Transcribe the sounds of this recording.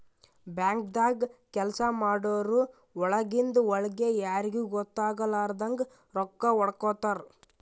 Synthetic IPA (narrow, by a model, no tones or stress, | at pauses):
bjaːŋk̚d̪aːɡkɛlsɐmaːɽoːɾu | ɔɭɐɡind̪uɔɭɐɡejaːɾiɡuːɡɔt̪ːaːɡɐlaːɾd̪ɐŋɡ | ɾɔkːɐɔɽɐkɔːt̪aɾ